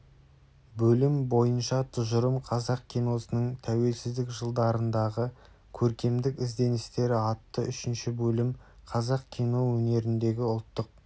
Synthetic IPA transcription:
bɵlɪmbo̞jənʃɑt̪ʰʊʒəɾəmqʰɑzɑq̚kʲʰijno̞sənəɴt̪ʰæwe̞lsɪzd̪ɪkʒəlˠd̪ɑɾənd̪ɑʁə | kʲʰɵɾkʲe̞md̪ɪkʲɪzd̪e̞nɪst̪e̞ɾɪɑt̪ːəʔʏʃɪnʃɪbɵlɪm | qʰɑzɑqkʲʰino̞wɵne̞ɾɪnd̪e̞ɡʲɪʊlˠt̪ːəq̚

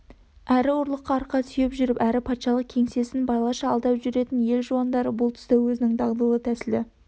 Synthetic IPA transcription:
æɾɪoɾlˠəqːɑːɾqːɑsʏje̞pʒʏɾɪpæɾɪpʰɑt̪ʃɑlˠəq̚kʲʰe̞ŋse̞sɪnbɑjlˠɑʃɑːlˠd̪ɑpʒʏɾe̞t̪ɪnje̞lʒuɑnd̪ɑɾəbʊlˠt̪ʰʏ̥st̪ewɵzɪnɪŋd̪ɑʁd̪ulˠət̪ʰæsɪld̪ɪ

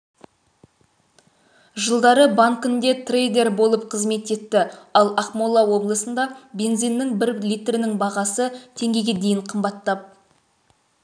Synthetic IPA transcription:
ʒəlˠd̪ɑɾəbaŋkʏnd̪e̞t̪rejd̪e̞rbo̞lˠəpqʰəzme̞t̪e̞t̪ːɪɑlˠɑχmolˠːɑwo̞blˠəsənd̪ɑbʲe̞nzijnːɪŋbɪɾlijt̪rɪnɪŋbɑʁɑsət̪ʰe̞ŋɡʲe̞jɡʲed̪e̞jɪɴqʰəmbɑt̪ːɑp̚

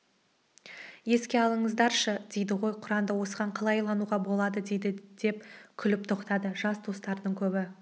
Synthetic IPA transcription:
je̞skʲe̞ɑlˠəɴəzd̪ɑɾʃəd̪e̞jd̪ɪʁo̞jqʰʊɾɑmd̪əwo̞səʁɑɴqʰɑlˠɑjlˠɑnuʁɑbo̞lˠɑd̪əd̪ejd̪ɪd̪̥e̞p̚kʲʰʏlɪp̚t̪ʰoqt̪ɑd̪əʒɑsd̪o̞st̪ɑɾd̪əɴkʲʰɵbɪ

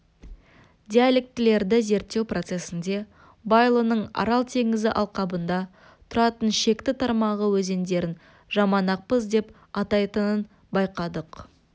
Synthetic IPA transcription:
d̪ʲialʲe̞k̚t̪ɪle̞ɾd̪ɪze̞ɾt̪ːe̞wpro̞t̪se̞sɪnd̪e̞ | bɑjlˠənəɴɑ̰ɾɑlˠt̪ʰe̞ŋɪzɪʔɑlˠqɑbənd̪ɑ | t̪ʰʊɾɑt̪ənʃe̞kt̪ɪt̪ʰɑɾmɑʁəwɵze̞nd̪e̞ɾɪn | ʒɑmɑnɑq̚pəzd̪e̞p | ɑt̪ɑjt̪ənən | bɑjqɑd̪əq

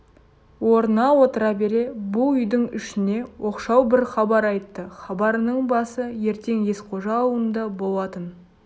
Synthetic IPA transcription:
wo̞ɾənɑwo̞t̪əɾɑbe̞ɾe̞bʊlˠʏjd̪ɪŋʏ̰ʃɪne̞wʔo̞qʃɑwbɪɾχɑbɑɾɑjt̪ːəχɑbɑɾənəɴbɑsəje̞ɾt̪e̞ŋje̞sqʰo̞ʒɑwənd̪ɑbo̞lˠɑt̪ən

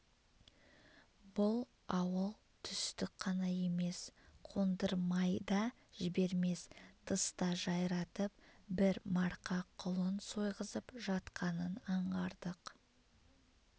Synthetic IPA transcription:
bʊlˠ | ɑwəlˠ | t̪ʰʏst̪ɪk̚qʰɑnɑje̞me̞sqʰo̞nd̪əɾmɑjd̪ɑ | ʒɪbe̞ɾme̞st̪ʰəst̪ɑʒɑjɾɑt̪əp̚bɪɾmɑɾqɑqʰʊlˠənso̞jʁəzəpʒɑt̪qʰɑnənɑɴʁɑɾd̪̥əq

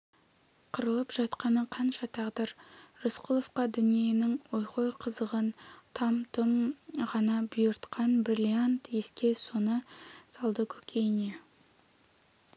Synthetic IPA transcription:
qʰəɾəlˠəpʒ̥ɑt̪qɑnəqʰɑnʃɑt̪ʰɑʁd̪əɾɾosqʰulˠo̞fqɑd̪ʏnije̞nɪŋwo̞jqo̞jqʰəzəʁənt̪ʰɑmt̪əmʁɑnɑbʊjəɾt̪qɑnbrilʲiant̪je̞skʲe̞so̞nəsɑlˠd̪əkʲʰɵ̥kʲʰe̞jne̞

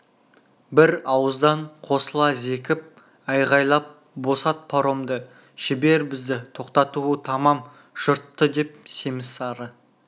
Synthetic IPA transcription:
bɪɾɑwəzd̪ɑɴqʰo̞səlˠɑze̞kʲɪp̚ | ɑjʁɑjlˠɑp̚ | bo̞sɑt̪̚pʰoɾo̞md̪ə | ʃɪbe̞ɾbɪzd̪ɪt̪ʰo̞qt̪ɑt̪uət̪ʰɑmɑm | ʒ̥ʊɾt̪ːəd̪e̞p̚se̞mɪsɑɾə

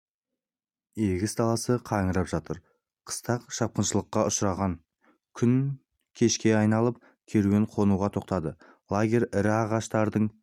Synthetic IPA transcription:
eɡʲɪsd̪ɑlˠɑsəqʰɑŋəɾɑpʒɑt̪əɾ | qʰə̥st̪ɑqʃɑp̚qənʃəlˠəqːɑʔʊʃɾɑʁɑŋ | kʲʰʏn | kʲʰe̞ʃkʲe̞ɑjnɑlˠəp̚ | kʲʰeɾuweɴqʰo̞nuʁɑt̪ʰo̞qt̪ɑd̪ə | lˠaɡʲe̞ɾʲɪɾɪɑʁɑʃt̪ɑɾd̪əɴ

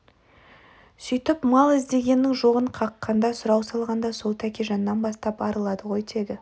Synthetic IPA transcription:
sʏjt̪ɪpmɑlˠɪzd̪e̞ɡʲe̞nːɪŋʒo̞ʁəɴqʰɑqːɑnd̪ɑsʊɾɑwsɑlˠʁɑnd̪ɑso̞lˠt̪ʰækʲeʒɑnːɑnbɑst̪ɑpɑɾəlˠɑd̪əʁo̞jd̪e̞d̪ɪ

